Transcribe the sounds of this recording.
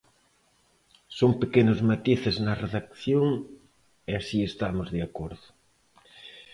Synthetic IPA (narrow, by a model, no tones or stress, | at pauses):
soŋpekenʊzmat̪iθɪznɐreðak̚θjoŋ | easiest̪amʊzðeakoɾðʊ